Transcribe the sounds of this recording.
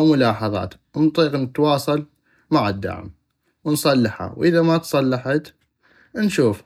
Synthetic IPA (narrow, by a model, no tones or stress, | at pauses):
wmʊlɑːħɑðˤɑ̰ːt̪ | nt̪ˤiːqnɪt̪wɑːsˤɑl | maʕɪd̪ːa̰ʕ̰m | wnsˤɑlːɪħha̰wʔɪðamat̪sˤɑlːɑħat̪ | nʃuːf